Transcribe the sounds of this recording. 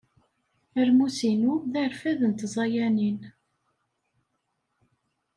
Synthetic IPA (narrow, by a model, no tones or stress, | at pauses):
əɾmusinuðæɾfæðənt̪zˤɑjænin